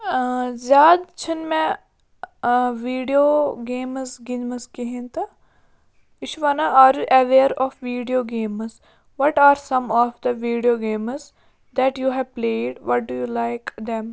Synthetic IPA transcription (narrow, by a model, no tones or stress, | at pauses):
zaːd̪t͡ʃʰinmɛ̃ | ʋiːɖijoɡẽːmzɡɪnməzkeɦĩnt̪ɐ | ɪʃʋanaʔaːɾjuʔɐʋeːɾɔːfʋiːɖijoːɡẽːmz | ʋɔʈaːɾsɐ̃mɔːfd̪əʋiːɖijoːɡẽːmz | d̪ɛʈjuːɦɛʋpleːɖʋɔʈ̚ɖujuːlaɪkd̪ɛ̃m